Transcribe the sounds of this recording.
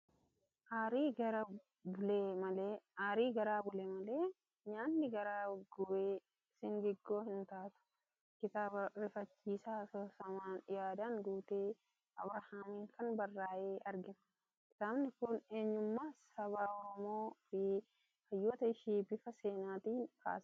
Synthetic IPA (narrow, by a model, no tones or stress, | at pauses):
ʔaːɾiːɡɐɾɐ | bʊleːmɐleːaːɾiːɡɐɾaːbʊleːmɐleː | ɲaːnːɪɡɐɾaːɡʊeː | sɪŋɡɛɡːo̞ːhɪnt̪aːt̪ʊ̥ | kɪt̪aːbɐɾɪfɐt͡ʃːiːsaːsɔsɐmaːnjaːd̪aːŋɡuːt̪eː | ʔɐbɾɐhaːmiːŋkʰɐnbɐrːaːʔeːʔɐɾɡɪnɐ̥ | kɪt̪aːbnɪkʊne̞ːɲːʊmːaːsɐβaːɔɾɔmoːfɪ | hɐjːɔːt̪ɐɪʃiːbɪfɐse̞ːnaːt̪iːnka̰ːsɐ̥